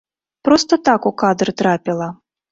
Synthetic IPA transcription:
pɾɔst̪ɐt̪akukad̪ɾɨt̪ɾapʲilˠɐ

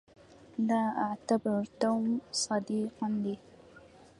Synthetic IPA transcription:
laaʕt̪abɪɾt̪awmsɑd̪iːqand̪i

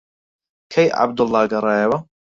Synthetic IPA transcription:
kʰɐjʔa̰b̚d̪ʊlːɑːɡɐɾˤɑːjɐwɐ

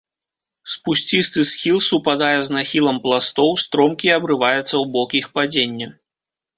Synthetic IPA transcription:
spusʲt͡sʲist̪ɨsxʲilˠsupad̪ajɛznaxʲilˠɐmplˠast̪ɔwst̪ɾɔmkʲiɐbɾɨvajɛt̪sːɐwbɔkixpad͡zʲenʲːɐ

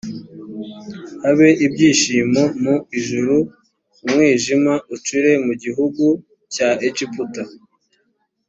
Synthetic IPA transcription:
haβe̞ʔibɟiːʃiːmomuiʒuɾuː | mwiːʒimaut͡ʃuɾe̞muɟiɦuɡu | caet͡ʃiputa

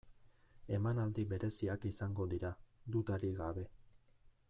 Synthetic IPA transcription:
e̞manald̪ibe̞ɾe̞siakisaŋɡo̞ðiɾad̪ut̪aɾiɣaβe̞

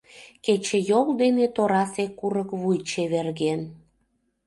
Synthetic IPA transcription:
ket͡ɕejold̪enet̪oɾɑsekːuɾəkβujt͡ɕeβerɣen

